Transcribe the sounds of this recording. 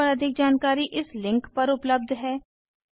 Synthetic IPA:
əɾəd̪ʱɪk̚d͡ʒaːnkaːɾiʔɪslɪ̃ŋkpɐɾʊpləb̚d̪ʱɦɛː

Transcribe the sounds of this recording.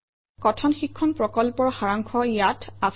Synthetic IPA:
kɔtʰɔnxikʰːɔnpɹɔkɔlpɔɹxaɹaŋkʰɔjatʰa

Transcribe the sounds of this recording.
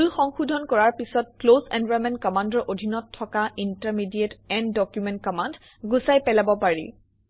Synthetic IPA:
lxɔŋxudʱɔnkɔɹaɹpisɔt̚klosɛ̃nvajmɛntkɔmandɔʔodʱinɔtʰːɔkaʔintaɹmidietɛndɔkjumɛ̃nt̚kɔmand | ɡusajpɛlabɔpaɹḭ

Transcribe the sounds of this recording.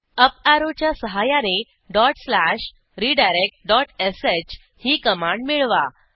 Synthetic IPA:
əpaɾot͡ɕjasəɦajane | ɖɔʈslaɕ | ɾiɖajɾek̚ʈ̚ɖɔʈeset͡ɕ | hiːkəmãɳɖmiɭʋa̰

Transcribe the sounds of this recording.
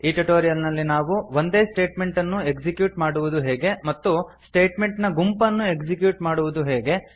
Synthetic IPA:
iːʈuʈoːɾijɐlnɐlːinaːʋuʋond̪e̞ːsʈe̞ːʈme̞ɳʈɐnːue̞ɡd͡ʒikjuːʈmaːɽuʋud̪uɦɛːɡe̞mɐt̪ːusʈe̞ːʈmeɳʈnɐɡumpɐnːue̞kd͡ʒikjuːʈmaːɽuʋud̪uɦeːɡe̞

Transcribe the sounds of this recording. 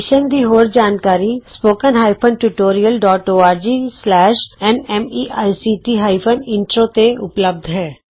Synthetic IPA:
ʃənd̪iːɦoːɾd͡ʒaːnkaːɾispoːkənɦaːɪpʰənʈuʈoːɾijəlɖɔːʈoːaːɾd͡ʒiːslɛːʃɛnɛmiːʔaːjsiːʈiːɦaːipʰənɪ̃nʈɾõːt̪eʊ̰pləb̚d̪ʱɦɛː

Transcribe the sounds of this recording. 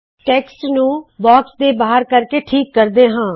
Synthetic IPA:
ʈɛːksʈnũːbɔːksd̪eːbaːɦəɾkəɾkeːʈʰiːkːəɾd̪eːɦãː

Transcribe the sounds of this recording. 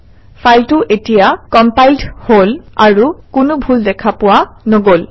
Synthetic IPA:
fʰajltʊʔetijakɔmpajldholaɹukʊnʊbʱuldɛkʰapʊwanoɡol

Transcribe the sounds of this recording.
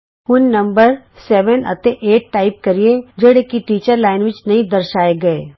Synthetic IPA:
kʊnːɐ̃mbəɾsɛːʋənɐ̰t̪eʔeːʈ̚ʈaːɪp̚kɐɾied͡ʒɐɽekiʈiːt͡ʃəɾlaːɪnʋɪt͡ʃnɐɦĩd̪ɐɾʃaːeɡɐeː

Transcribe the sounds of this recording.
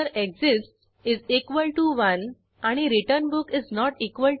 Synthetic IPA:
əɾekzɪsʈs | izikʋəlʈuʋən | aɽ̃iɾiʈəɾnbukiznɔʈikʋəl

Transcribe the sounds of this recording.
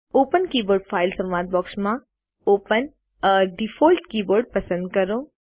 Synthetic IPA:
oːpənkiːboːɾɖfʰaːɪlsɐmʋaːt̪̚bɔːksmã | oːpən | ɖifʰɔːlʈkiːboːɾɖ̚pɐsə̃nd̪̚kɐɾõː

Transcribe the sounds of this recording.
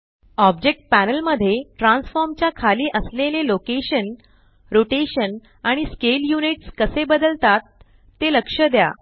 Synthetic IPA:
ɔb̚d͡ʑek̚ʈ̚pænəlməd̪ʱːjeʈɾãnsfɔɾmt͡ɕjakʰaliːʔəslelelokeɕən | ɾoʈeɕən | aɽ̃iskeljuniʈskəsebəd̪əlt̪at̪ː | eləkʂəd̪ja̰

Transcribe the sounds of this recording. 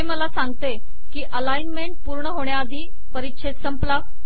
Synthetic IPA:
ɦeməlasaŋɡt̪e | kiːʔəlainmeɳʈ̚puːɾɳəɦoɳ̃jaːd̪ʱiː | pəɾit̪ɕʰet̪səmpla

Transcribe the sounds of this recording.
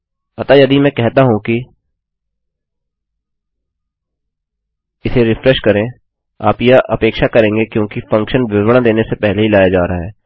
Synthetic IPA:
ɐt̪ajɐd̪imɛ̃kɛɦt̪aɦũki | ɪseɾɪfɾɛʃkɐɾẽ | aːpjaʔɐpeːkʃakɐɾẽːŋɡekjõːkifɐ̃ŋkʃənʋɪʋɽ̃ãd̪eːnesepɛɦleɦilaːjad͡ʒaːɾɐaɦɛː

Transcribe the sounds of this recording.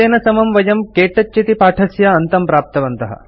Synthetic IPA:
eːnɐsɐmɐmʋɐjɐmkeːʈɐtːt͡ʃːit̪ipaːʈʰɐsjɐɐnt̪ɐmpɾaːp̚t̪ɐʋɐnt̪ɐɦɐ̰

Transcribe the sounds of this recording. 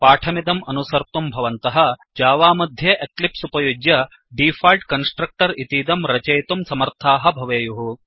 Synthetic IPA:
paːʈʰɐmid̪ɐmɐnusɐɾt̪umbʱɐʋɐnt̪ɐɦɐ̆d͡ʒaːʋaːmɐd̪ʱjɐʔeklipsupɐjud͡ʒjɐ | ɖiːfʰaːlʈkɐnsʈɾɐk̚ʈɐɾit̪iːd̪ɐmɾɐt͡ʃɐjt̪umsɐmɐɾt̪ʰaːɦɐ̆bʱɐʋeːjuɦu

